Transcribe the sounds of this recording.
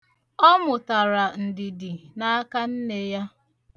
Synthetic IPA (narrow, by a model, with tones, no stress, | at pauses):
ɔ˦mʊ˨ta˨ɾa˨n̩˨dɪ˨dɪ˨na˦ka˦n̩˦ne˨ja˦